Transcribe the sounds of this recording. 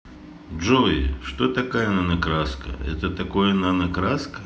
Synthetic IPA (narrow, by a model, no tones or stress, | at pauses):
ʐoɪ̰ʂt̪ot̪ɐkajənɐnɐkɾaskɐ̰ɛ̰t̪ət̪ɐkojɐnanɐkɾaskə